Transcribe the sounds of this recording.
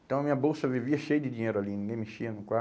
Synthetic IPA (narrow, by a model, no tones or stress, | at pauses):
nt̪ãw̃amiɐbosɐviviɐʃejd̪id̪iɲɛːɾoalinũŋɡẽmiʃianũkwa